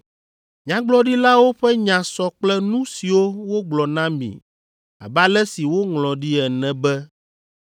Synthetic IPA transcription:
ɲã˦ɡ͡blɔ˦ɖi˦la˦wo˦ɸɛ˦ɲã˨sɔ˦k͡plɛ˦nũ˦si˨wo˦wo˦ɡ͡blɔ˨nã˦mḭ̃˨ | a̰˨ba˦lɛ˦si˨wo˦ŋlɔ̃˨ɖi˦ɛ˨nɛ̃˨bɛ˦

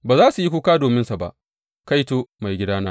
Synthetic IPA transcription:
baː˨zaː˦su˨ji˦kʷu˦kaː˦doː˨mɪ˦nsa˨ba̰˦ʔ | ka˦jtoː˦ma˨jɡʲɪ˦daː˦naː˦

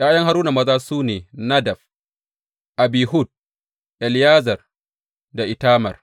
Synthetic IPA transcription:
j̰ʔaː˦jɐ˦ŋha˦ɾuː˦na˨mɐ˦zaː˦suː˦neː˨nɐ˦dɐ˨f | ʔa˨biː˨ɦʊ˦˨d̚ | ʔɛ˨ljaː˦zɐ˨r | da˨ʔɪ˨taː˦mɐ̰˨r

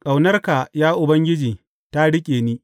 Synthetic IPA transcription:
kʼa˨wnɐ˦rka˨jaː˦ʔʊ˨bɐ˦ŋɡʲɪ˦d͡ʒiː˨ | ta˦ɽɪ˦kʲʼeː˨niː˦

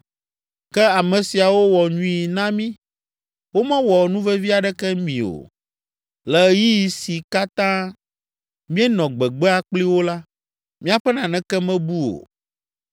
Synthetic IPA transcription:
kɛ˦a˨mɛ̃˨si˨a˨wo˦wɔ˨ɲũ˦i˨nã˦mĩ˦ | wo˦mɛ̃˦wɔ˨nũ˦vɛ˦vi˦a˨ɖɛ˦kɛ˦mĩ˨o̰˨ | lɛ˨ji˦ji˨si˨ka˦t̪ã˦ | mĩ˦ɛ˦nɔ̃˨ɡ͡bɛ˨ɡ͡bɛ˦a˨k͡pli˦wo˦la˦ | mĩ˦a˨ɸɛ˦nã˨nɛ̃˦kɛ˦mɛ̃˦bu˦o̰˨

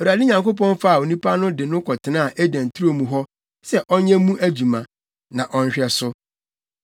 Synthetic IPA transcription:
ɔ˨ɾa˨dɪ˦ɲã˨ŋko˦pɔ̃˦n˦fa˦a˨o˨nĩ˦pʰa˦nʊ̃˦dɪ˨nʊ̃˦kʰɔ˨tʰɪ˨nã˦a˨ʔe˦dæ̃˨n̩˨tʰu˦ɾo˨mũ˨ɦɔ˦ | sɛ˦ʔɔ˦ɲɛ̃˦mũ˦ʔæ˦d͡ʑu˨mã˨ | nã˨ʔɔ˦n̩˦ɕᶣɛ˨sʊ˦

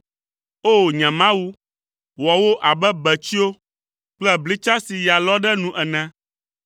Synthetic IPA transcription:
o˦˨ɲɛ̃˨mã˦wu˦ | wɔ˨wo˦ʔa˨bɛ˦bɛ˨t͡ɕi˦o˦ | k͡plɛ˦bli˦t͡ʃa˦si˨ja˨lɔ˦ɖɛ˦nũ˦ʔɛ˨nɛ̃˦

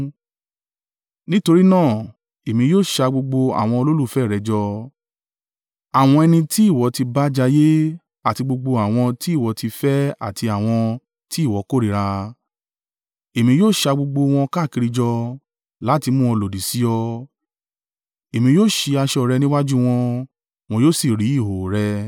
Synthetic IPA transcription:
nĩ˦to˧ɾi˦nãː˦˨ | e˨mĩ˧joː˦˨ʃa˧ɡ͡bo˧ɡ͡bo˧a̰˨w̃ɔ̃˧o˧lo˦lu˦˨fɛ˦˨ɾɛ˨˧d͡ʒɔ˧ | a˨w̃ɔ̃˧ɛ˧nĩ˧ti˦i˦˨wɔ˨˦ti˧ba˦d͡ʒa˧je˦ | a˦˨ti˧ɡ͡bo˧ɡ͡bo˧a˨w̃ɔ̃˧ti˦i˦˨wɔ˨˦ti˧fɛ˦a̰˦˨tʰi˧a˨w̃ɔ̃˧ | ti˦˨wɔ˨˦ko˦˨ɾi˨˦ɾa˧ | e˨mĩ˧joː˦˨ʃa˧ɡ͡bo˧ɡ͡bo˧w̃ɔ̃˧ka˦˨ki˧ɾi˧d͡ʒɔ˧ | la˨˦ti˧mũ˦ɔ˧lo˨di˨si˨˦ɔ˧ | e˨mĩ˧joː˦˨ʃi˧a˧ʃɔ˧˨ɾɛ˧nĩ˦wa˦d͡ʒu˦w̃ɔ̃˧ | w̃ɔ̃˧jo˦˨si˨ɾi˨˦i˦˨ɦo˨ɾɛ˧

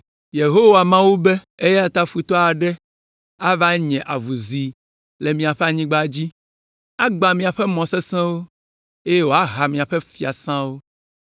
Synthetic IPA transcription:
je˨ɦo˦wa˨mã˦wu˦be˦ | e˦jɛ˦a˨t̪a˦fu˨t̪ɔ˦a˨ɖɛ˦ | a˦va˦ɲɛ̃˨ʔa˨vu˨zi˨ | le˨mĩ˨a˨ɸɛ˦a˨ɲĩ˦ɡ͡ba˦d͡ʑi˦ | a˦ɡ͡ba˨mĩ˨a˨ɸɛ˦mɔ̃˨sɛ˦sɛ̃˦wo˦ | e˦je˦wo˨˦a˦ɦa˨mĩ˨a˨ɸɛ˦fi˦a̰˨sã˦wo˦

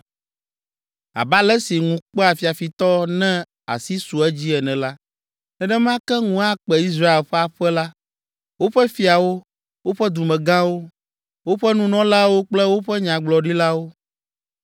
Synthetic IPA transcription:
a̰˨ba˦lɛ˦si˨ŋũ˨k͡pɛ˦a˨fi˨a˨fi˨t̪ɔ˦nɛ̃˦ | a̰˨si˦su˨ɛ˦d͡ʑi˦ɛ˨nɛ̃˨la˦ | ɛ˦ɖɛ˦mã˦kɛ˦ŋũ˦a˦k͡pɛ˨i˦s̬ɾa˦e˨lɸɛ˦a˨ɸɛ˦la˦ | wo˦ɸɛ˦fi˨a˨wo˦ | wo˦ɸɛ˦d̪u˨mɛ̃˨ɡã˦wo˦ | wo˦ɸɛ˦nũ˦nɔ̃˦la˦wo˦k͡plɛ˦wo˦ɸɛ˦ɲã˨ɡ͡blɔ˨ɖi˦la˦wo˦

